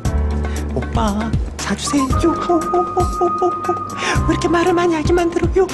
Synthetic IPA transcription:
op͈at͡ɕad͡ʑusʰeiɡjo | iɾʌkʰemaɾɯɭmanjaɡimandɯɾʌjo

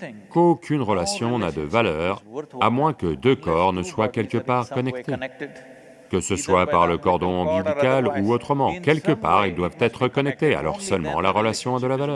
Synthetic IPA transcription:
kokʲʰynʁəlasjɔ̃nad̪əvalœʁamwɛ̃kəd̪økɔʁnəswakʲɛlkəpaʁkɔnɛkt̪e | kəsəswapaʁləkɔʁd̪ɔ̃ɑ̃byb̪ikʲaluot̪χəmɑ̃kʲɛlkəpa̰ʁild̪wavt̪ɛt̪χəkɔnɛk̚t̪ea̰lɔ̰ʁsœlmɑ̰̃laʁəlasjɔ̃ad̪əlavalœːʁ

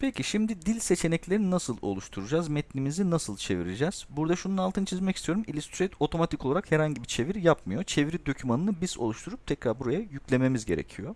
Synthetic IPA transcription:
pʰecʰiʃimd̪id̪ilʲse̞t͡ʃʰe̞nɛclʲe̞ɾinasɯlˠo̞̰lˠuʃt̪ʰuɾud͡ʒazmɛt̪nimizinasɯlˠt͡ʃʰe̞̰vḭɾid͡ʒɛz̥buɾd̪aʃununalˠt̪ʰɯnɯt͡ʃʰizmɛcist̪ʰijo̞ɾumilʲist̪ʰɾɛt̪ʰo̞t̪ʰo̞mat̪ʰikʰo̞lˠaɾakhɛɾhaɲɟibit͡ʃʰe̞viɾjap̚mɯjo̞t͡ʃʰe̞viɾid̪o̞cʰymanɯnɯbizo̞̰lˠuʃt̪ʰuɾup̚t̪ʰɛcɾaɾbuɾajajycʲlʲe̞me̞mizɟe̞̰ɾecʰijo̞

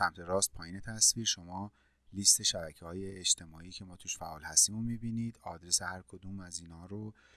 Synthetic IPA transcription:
sæmt̪ʰe̞ɾɒːst̪̚pʰɒːjiːnet̪ʰæsviːɾʃo̞mɒː | list̪ʰe̞ʃæbæcʰehɒːjeːd͡ʒt̪ʰe̞mɒːiːcʰemɒːt̪ʰuːʃfæʔɒːlhæst̪imomibiniːd̪ɒːd̪ɾesehæɾkʰod̪uːmæziːnhɒːɾo

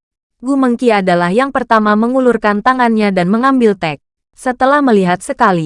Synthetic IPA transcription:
ɡuməŋkiadalahjaŋpərt̪amaməŋulurkant̪aŋanɲadanməŋambilt̪ɛk̚ | sət̪əlahməliɦat̪̚səkali

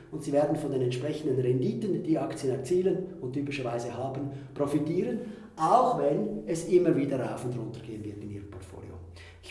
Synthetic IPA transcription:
ʊntsiːveːɐdn̩fɔndeːnɛntʃpʁ̥ɛçən̩dənʁɛndiːtənd̥iːakt͡sjənɛɐt͡siːlənʊntːyːpɪʃəɐvaɪzəhaːbənpʁofitiːɾən | ʔaʊxvɛnɛsʔɪmːəviːdəɾaʊfʊndʁʊntəɡ̥eːənvɪətɪmḭːʁənpʰɔʁtfo̰ːlḭo̰ | ɪç

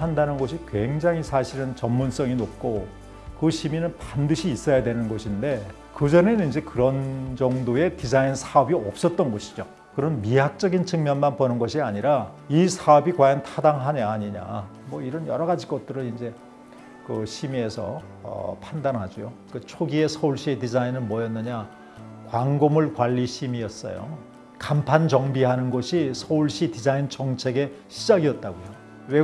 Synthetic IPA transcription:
andanɯnɡʌɕ̬ʰikwe̞ŋd͡ʑaŋɦisʰaɕʰiɾɯnt͡ɕʌmːuns͈ʌŋinop̚k͈o | kɯɕʰiminɯnpandɯɕʰiːs͈ʌjadwe̞nɯnɡʌɕʰinde̞ | kɯd͡ʑʌne̞nind͡ʑe̞kɯɾʌnd͡ʑʌŋdoe̞tid͡ʑainsʰaʌbiʌp̚s͈ʌt̚t͈ʌnɡʌɕʰi̥d͡ʑo | kɯɾʌnmiɦak̚t͡ɕ͈ʌɡint͡ɕʰɯŋmjʌnmanpʌnɯnɡʌɕʰiaɲiɾa | isʰaʌbikwajʌntʰadaŋɦaɲeaɲiɲa̰ | mwʌiɾʌnjʌɾʌɡad͡ʑiɡʌt̚t͈ɯɾɯnind͡ʑe̞ | kɯɕʰimiesʰʌ̰ | ʌ̰pʰandanɦad͡ʑojokɯt͡ɕʰoɡiesʰʌuɭɕ͈itid͡ʑainɯnmwʌjʌnːɯɲa | kwaŋɡomɯɭkwaʎːiɕʰimiʌs͈ʌ̰jo̰ | kampʰant͡ɕʌŋbiɦanɯnɡʌɕʰisʰʌuɭɕ͈idid͡ʑaint͡ɕʌŋt͡ɕʰe̞ɡe̞ɕʰid͡ʑaɡiʌt̚t͈aɡojo | we̞

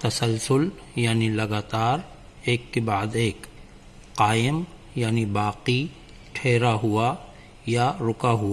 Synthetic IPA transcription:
t̪ɐsəlsʊl | jaːnilɐɡaːt̪aːɾ | eːkːebaːd̪eːk | qaːjɪm | jaːnibaːqi | ʈʰeːɾaɦʊa | jaɾʊkaɦʊa

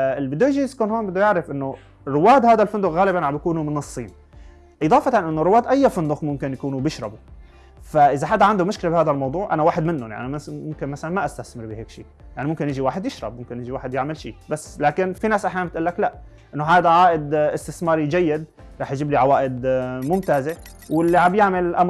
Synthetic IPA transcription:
ɪlbɪd̪ːujɪʒijɪskoːnhoːmbɪd̪ːujaʕɾɪfʔɪnːo | ɾːʊwaːd̪haːd̪alfʊnd̪ʊxɣaːlɪbanʕamjakuːnumɪnɑsˤːiːn | ʔɨd̪ɑːfɑt̪ɑnʔɪnːoɾʊwːaːd̪ʔajːafɪnd̪ʊxmʊmkɪnjakuːnubɪʃɾˤɑbu | faʔɪzaħad̪ːaʕand̪umʊʃkɪlabhaːd̪almɑwd̪ˤuːʕʔa̰nawaːħɪd̪mɪnːʊ̰njaʕnimmʊmkɪnmasalanmaʔast̪aθmɪɾbɪheːkʃiːjaʕnimʊmkɪnjɪd͡ʒiwaːħɪd̪jɪʃɾˤɑ̰bmʊmkɪnjɪd͡ʒiwaːħɪd̪jɪʕmɪlʃḭːbasːlaːkɪnfinaːsʔaħjaːnbɪt̪ʔʊlːaklaʔ | ʔɪnːoɦaːd̪aʕaːʔɪd̪ʔɪst̪ɪθmɑːɾˤid͡ʒajːɪd̪ | ɾˤɑːħjd͡ʒiːbliʕawaːʔɪd̪mʊmt̪aːze | wɪlːiʕabjaʕmɪlʔam

